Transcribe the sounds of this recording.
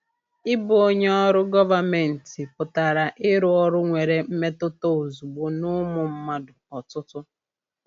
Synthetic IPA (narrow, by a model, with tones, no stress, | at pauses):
ɪ˦bʊ˨o˦ɲe˦ɔ˦ɾʊ˦ɡɔ˦va˨me˨n̩˨tɪ˨pʊ˨ta˨ɾa˨ʔɪ˦ɾʊ˦ɔ˦ɾʊ˦ŋʷe˨ɾe˨m̩˦me˦tʊ˦to˦o˨zu˨ɡ͡bo˦nʊ˦mʊ˨m̩˦ma˦dʊ˨ɔ˨tʊ˦tʊ˦